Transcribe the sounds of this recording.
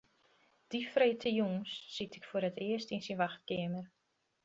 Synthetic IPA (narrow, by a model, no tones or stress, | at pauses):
d̥ifrejtʰəjuŋsːitʰɪkfoəɾətɪəstinsinʋaxt̚kɪəmər